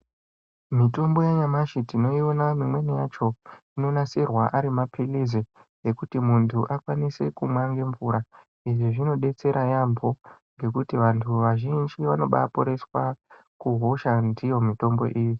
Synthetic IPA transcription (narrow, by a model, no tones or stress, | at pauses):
mito̞mbo̞jaɲamaʃitino̞io̞namimwe̞nejat͡ʃo̞ino̞nasirwaʔaɾimapʰilizejekutimuntʰuʔakwanise̞kumwaŋɡe̞ɱvuːɾa | iʐiʐino̞ɗe̞t͡se̞ɾajambo̞ŋɡe̞kutiʋantʰuʋaʒind͡ʒiʋano̞ɓa̰poɾe̞swa | kuɦo̞ʃandijo̞mito̞mbo̞̰ʔiːji